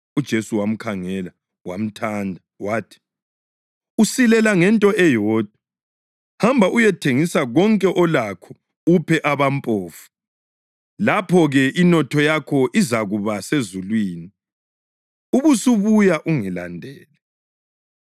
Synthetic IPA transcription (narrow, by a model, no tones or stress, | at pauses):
ud̥ʒ̥ʱesuwam̩kʰaŋɛla | wa̰m̩tʰandʱa | waːtʰi̥ | usilɛlaŋɛntʼɔɛjɔːd̥ʱwa | hambʱaʔujɛtʰeŋisaɣɔŋkʼɛʔɔlakʰɔ̥ | upʰɛʔaβampʼoːfu̥ | lapʰɔɣɛʔinɔtʰɔjakʰɔʔizaɣuβasezulwiːni | uβusuβujaʔuŋɛla̰ndʱɛːlɛ